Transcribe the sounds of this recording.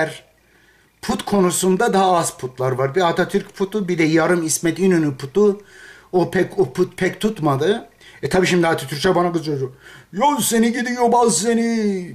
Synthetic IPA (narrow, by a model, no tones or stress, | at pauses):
æɾ | pʰut̪kʰo̞nusund̪ad̪aɦaaz̥pʰut̪lˠaɾvaɾbiat̪ʰat̪ʰyɾcpʰut̪ʰubid̪ɛjaɾɯmismɛt̪inynypʰut̪u | opʰɛkopʰut̪̚pʰɛct̪ʰut̪mad̪ɯ | ɛt̪ʰabiːʃimd̪iat̪ʰyt̪ʰyɾt͡ʃʰabanaɡɯzd͡ʒod͡ʒojozseniɟid̪ijobazseni